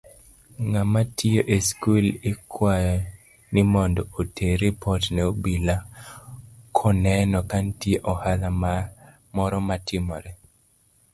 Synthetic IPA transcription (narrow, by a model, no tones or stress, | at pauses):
ŋamatioʔeskulekʰwajɔ | nɪmɔndɔotʰeɾipʰɔtnɛobila | kʰɔnɛnɔkantieʔɔhalama | mɔɾɔmatʰɪmɔ̰ɾɛ